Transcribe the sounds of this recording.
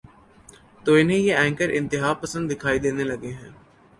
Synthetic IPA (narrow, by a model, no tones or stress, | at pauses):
t̪oːɪnɦẽjeɛ̃ːŋkəɾʔɪ̃nt̪ɪɦaːpəsə̃nd̪ːɪkʰaːid̪eːnelɐɡeɦɛ̃ː